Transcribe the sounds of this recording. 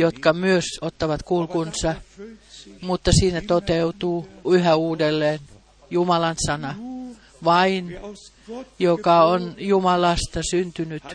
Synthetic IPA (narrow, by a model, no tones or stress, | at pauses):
jot̪kɑmyøsot̪ːɑʋɑt̪kulkunsɑ | mut̪ːɑsiːnæt̪ot̪eut̪uːyhæuːdelːeːn | jumɑlɑnsɑnɑ | ʋɑin | jokɑonjumɑlɑst̪ɑsynt̪ynyt̪